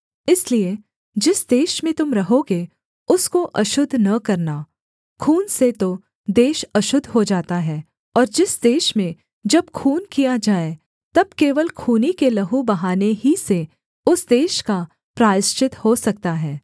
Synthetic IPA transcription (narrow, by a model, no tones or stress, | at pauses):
ɪslie | d͡ʒɪsd̪eːʃmẽt̪ʊmɾɐɦoːɡe | ʊskoʔɐʃʊd̪ʱnɐkɐɾna | kʰuːnset̪o | d̪eːʃɐʃʊd̪ʱɦod͡ʒaːt̪aɦɛː | ɔːɾd͡ʒɪsd̪eːʃmẽ | d͡ʒɐb̚kʰuːnkijad͡ʒaːe | t̪ɐb̚keːʋəlkʰuːnikelɐɦubɐɦaːneɦise | ʊsd̪eːʃka | pɾaːɾɪst͡ʃɪt̪hosɐk̚t̪aɦɛː